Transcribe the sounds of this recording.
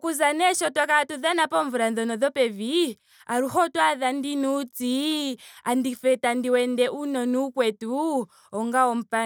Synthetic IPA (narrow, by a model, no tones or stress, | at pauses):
kuzanɛʃɔtakatuðanapɔɱvuɾanðɔnɔðɔpɛvi | aɾuhɔtwaðandinut͡siandifɛtandiwɛndɛʔunɔnukwɛtu | ɔŋɡaɔm̩pa